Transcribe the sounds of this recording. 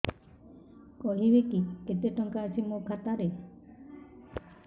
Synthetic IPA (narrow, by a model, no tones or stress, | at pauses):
kɔɦibekiket̪eʈɔŋkaːsʰimokʰat̪aɾe